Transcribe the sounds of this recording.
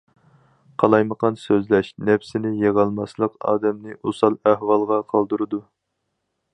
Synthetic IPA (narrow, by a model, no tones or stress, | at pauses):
qʰɑlˠɑjməqɑnsøzlɛʃnɛpsɪnɪjeʁɑlˠmɑslˠəqɑ̰ːd̪ɛmnɪʔusɑlˠæhwɑlˠʁɑqʰɑlˠd̪uɾɨd̪u